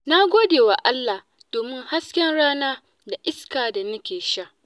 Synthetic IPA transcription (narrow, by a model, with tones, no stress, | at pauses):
na˦ɡʷoː˦deː˨wa˨ʔa˦lːa˨h | d̥oː˨mɪ˦ŋha˦skʲɛ˦nɽaː˦naː˦ | da˨ʔɪ˦skaː˨da˨nɐ˦kʲeː˨ʃa˦ʔ